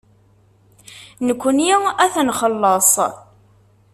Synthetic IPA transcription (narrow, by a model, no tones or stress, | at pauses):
nəkʷːənjiæθnχəlːəsˤ